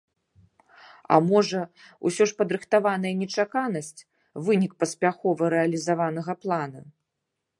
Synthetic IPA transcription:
a̰mɔʐɐ | ṵsʲɔʂpɐd̪ɾɨxt̪avanɐjɐnʲɛt͡ʂakanɐsʲt͡sʲ | vɨnʲik̚pɐsʲpʲaxɔvɐɾɛɐlʲizavanɐɣɐplˠanɐ̰

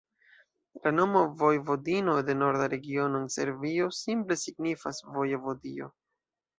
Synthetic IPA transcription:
lano̞movojvo̞dino̞de̞no̞ɾdaɾe̞ɡio̞noense̞̰ɾvio̞simple̞siɡnifasvojevo̞dio̞̰

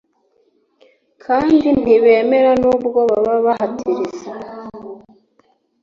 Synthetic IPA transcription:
kʰaːndin̥iβe̞ːme̞ɾanuːbɡo̞βaβaβaɦatʰiɾiza

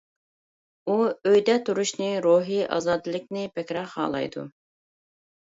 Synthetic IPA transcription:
uøjd̪ɛt̪ʰuɾuʃnɪɾoɦiʔɑ̰ːzɑːd̪ɨlˠɪk̚ʲnɪpɛkʲɾɑχɑ̰ːlˠɑ̰jd̪ṵ

